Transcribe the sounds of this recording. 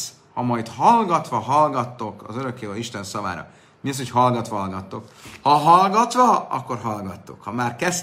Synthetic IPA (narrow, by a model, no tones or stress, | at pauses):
s | hɒmɒjt̪hɒlɡɒt̪ʋɒɦɒlɡɒt̪ːo̞kɒ̰zøɾøkːeːvɒiʃt̪ɛnsɒva̰ːɾɒ̰ | miɒs̬ho̞cɦɒlɡɒt̪ʋɒɦɒlɡɒt̪ːo̞khɒɦɒlɡɒt̪ʋɒɒ̰kːo̞rɦɒlɡɒt̪ːukhɒmaːrkɛs